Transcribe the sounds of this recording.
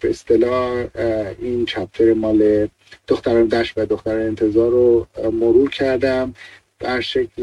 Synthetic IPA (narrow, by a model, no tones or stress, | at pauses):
b̥eest̪e̞lɒː | int͡ʃʰæp̚t̪ʰeɾemɒːle | d̪̥oxt̪æɾɒːnd̪æʃvæd̪oxt̪æɾɒnent̪ʰe̞zɒːɾomoɾuːɾcʰæɾd̪æm | d̪̥æɾʃecʰl